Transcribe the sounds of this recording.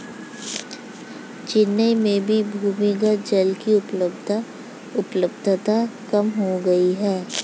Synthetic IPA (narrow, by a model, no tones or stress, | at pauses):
t͡ʃɪnːəmẽbʱibʱuːmiɡad͡ʒɐlkiʊpləbd̪ | ʊpləbd̪ʱt̪akɐmɦoɡɐiɦɛː